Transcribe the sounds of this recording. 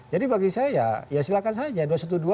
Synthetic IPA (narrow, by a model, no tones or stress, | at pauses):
d͡ʒadibaɡisaja̰jasilakansad͡ʒaduasat̪udua